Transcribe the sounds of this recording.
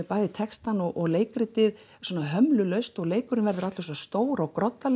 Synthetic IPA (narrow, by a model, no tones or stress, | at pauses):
ɛpaːjðɪt̪ʰɛkst̪anɔɣʔɔɣleːjkɾɪt̪ɪð | sɔnaɦœmlʏlœɥst̪ɔɣleːjkʏɾɪnvɛɾðʏɾat̪lvɛsast̪oːwɾawkɾɔt̪ːal